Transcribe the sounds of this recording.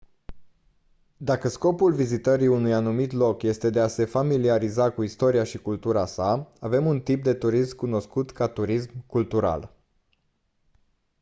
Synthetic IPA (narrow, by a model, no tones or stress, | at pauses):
d̪akəsko̞pulvizit̪əɾiunujanumit̪lo̞kje̞st̪e̞d̪e̞ase̞familiaɾizakuist̪o̞ɾiaʃikult̪uɾasaave̞munt̪ip̚d̪e̞t̪uɾismkuno̞skut̪kat̪uɾismkult̪uɾa̰l